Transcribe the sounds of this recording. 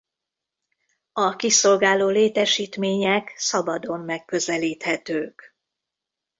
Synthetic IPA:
ɒkiso̞lɡaːloːleːt̪ɛʃiːt̪meːɲɛksɒbɒd̪o̞mːɛkːø̞zɛliːt̪hɛt̪øːk

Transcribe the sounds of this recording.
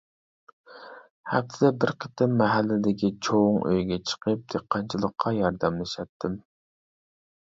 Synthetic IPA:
hɛp̚t̪ʰɪd̪ɛbɪɾqʰə̥t̪ʰɪmːɛɦælːɪd̪ɪkʲit͡ʃʰoŋʔø̰jɡʲɛt͡ʃʰə̥qʰəp̚d̪̥eqʰːɑnt͡ʃʰilˠəqʰːɑjɑɾd̪ɛmlˠɪʃɛt̪ʰːɪm

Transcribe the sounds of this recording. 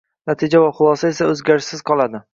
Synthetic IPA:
nat̪ʰɪd͡ʒavaχʊlˠɒsae̞saɵzɡʲaɾɪʃɪzqʰɒlˠad̪ɪ

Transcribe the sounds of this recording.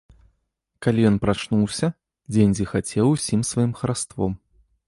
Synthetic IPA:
kalʲijɔnpɾat͡ʂnuwsʲɐ | d͡zʲenʲd͡zʲixat͡sʲɛwusʲimsvajimxɐɾast̪vɔ̰m

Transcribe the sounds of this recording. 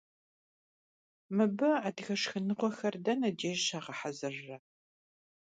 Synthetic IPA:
mɨbɨadxɐʂxɨnɨqʷɔxɐrdɐnɐd͡ʒeːʒʃaːʁɐħazɨrːɐ

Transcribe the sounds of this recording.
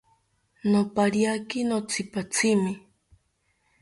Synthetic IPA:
nopaɾjakinot͡sʰipat͡sʰimi

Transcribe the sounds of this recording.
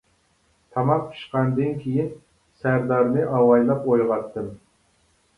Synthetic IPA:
t̪ʰɑmɑq̚pʰi̥ʃqɑnd̪ɨnkʲʰijin | sæɾd̪ɑɾnɨʔɑwɑjlˠɑpojʁɑt̪ːɨm

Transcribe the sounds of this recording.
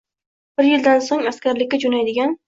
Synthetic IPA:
b̥ɪɾjɪld̪ansoŋaskʲaɾlɪkʲːad͡ʒonajd̪ɪɡʲan

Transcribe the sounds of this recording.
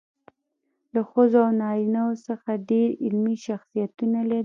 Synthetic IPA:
laxəzoawnɑɾinawosəxaɖeɾɪlmiʃaxsijat̪unalaɾi

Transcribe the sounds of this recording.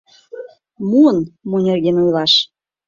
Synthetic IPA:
muənmunʲerɣenujlɑʃ

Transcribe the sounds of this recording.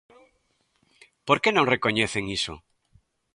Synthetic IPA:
poɾkenõŋreko̞ɲeθeŋiso̰

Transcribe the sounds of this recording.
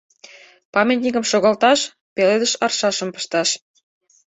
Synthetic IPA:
pɑmʲet̪ʲnʲikəmʃoɣɑlt̪ɑʃ | peled̪əʃɑrʃɑʃə̆mpə̥̆ʃt̪ɑʃ

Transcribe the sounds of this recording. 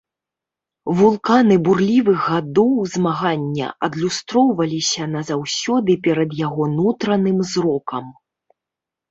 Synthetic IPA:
vulˠkanɨburlʲivɨɣɣad̪ɔwzmaɣanʲːɐ̰ʔɐd̪lʲust̪ɾɔwvɐlʲisʲɐnɐzawsʲɔd̪ɨpʲɛɾɐd̪jaɣɔnut̪ɾɐnɨmzɾɔkɐm

